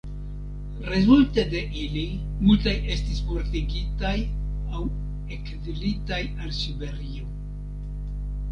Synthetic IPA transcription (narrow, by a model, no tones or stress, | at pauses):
ɾezultede̞ʔili | multajʔe̞stispo̞ɾtiɡitaj | aw | ekdlitajalsibe̞ɾio̞